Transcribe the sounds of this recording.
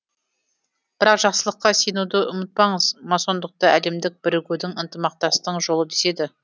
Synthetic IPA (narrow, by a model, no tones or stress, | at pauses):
b̥ɪɾɑqʒ̥ɑqsəlˠəqːɑsejnud̪əʔʊmɪt̪̚pɑɴəz̥mɑso̞nd̪əq̚t̪əæle̞md̪ɪk̚b̥ɪɾɪɡʲed̪ɪŋənt̪əmɑq̚t̪ɑst̪əɴʒo̞lˠəd̪ese̞d̪ɪ